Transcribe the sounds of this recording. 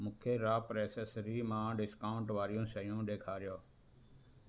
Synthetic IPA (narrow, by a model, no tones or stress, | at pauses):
mʊ̃kʰeːɾaːpɾeːsesɾiːmãːɖɪskaːʊɳʈʋaːɾɪjõːʃəjõːɗeːkʰaːɾɪjoː